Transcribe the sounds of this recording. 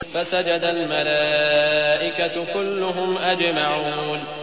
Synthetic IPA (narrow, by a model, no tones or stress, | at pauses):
fasad͡ʒad̪almalaːʔɪkat̪kʊlːʊɦʊmʔad͡ʒmaʕuuːn